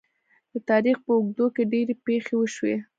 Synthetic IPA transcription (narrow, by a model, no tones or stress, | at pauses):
d̪ət̪ɑɾixpəʊɡ̚d̪okeɖeɾepexewəʃwe